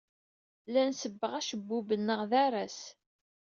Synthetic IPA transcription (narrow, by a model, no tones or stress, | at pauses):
lænsəbːəʁæʃəbːubənːəʁðæɾˤæs